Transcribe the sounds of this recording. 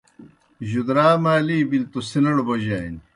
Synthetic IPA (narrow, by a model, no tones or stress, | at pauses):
ʑud̪ɾaːmaːliːbilt̪usinɐɽbɐʑaːjn